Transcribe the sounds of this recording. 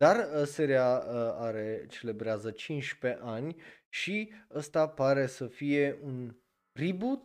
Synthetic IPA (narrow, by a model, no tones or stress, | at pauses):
d̪arəseɾiaəaɾe̞t͡ʃe̞le̞bɾeazət͡ʃint͡ʃʲpe̞ʔanʲʃiəst̪apaɾe̞səfije̞ʔun | ribut̪